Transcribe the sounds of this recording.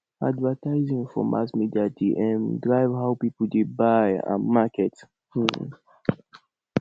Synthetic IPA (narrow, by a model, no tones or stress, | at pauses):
a̰dvətaɪzĩŋfɔ̰mʔa̰smidiatiʔɛ̃ndɹaɪvɦaʊpipldebajã̰makɛt